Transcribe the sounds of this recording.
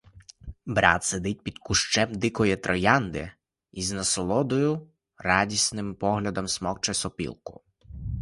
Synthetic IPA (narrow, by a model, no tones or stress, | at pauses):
bɾɑ̰t̪sed̪ɪt̚ʲpʲid̪̥kʊʃt͡ʃɛmd̪ɪkɔjɛt̪ɾʔɔjɑnd̪ɪ̰ | iznɐsɔlˠɔd̪ɔjʊ | rɑdʲisnɪmpɔɦlʲɐd̪ɔmsmɔkt͡ʃɛsɔpʲḭlˠkʊ̥̰